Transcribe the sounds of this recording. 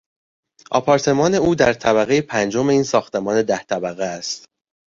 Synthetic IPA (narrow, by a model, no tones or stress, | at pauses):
ʔɒ̰ːpʰɒːɾt̪ʰe̞mɒːne̞uːd̪æɾt̪ʰæbæɣejepʰænd͡ʒo̞me̞iːnsɒːxt̪ʰe̞mɒːne̞d̪æht̪ʰæbæɣeæst̪